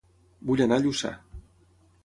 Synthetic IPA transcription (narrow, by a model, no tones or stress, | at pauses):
buʎanaʎusa̰